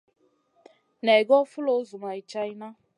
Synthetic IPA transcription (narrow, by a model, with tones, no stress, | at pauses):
nɛ˨ɡɔ˦fu˦lo˨˦zu˨ma˨i˨t͡ʃa˦i˦na˦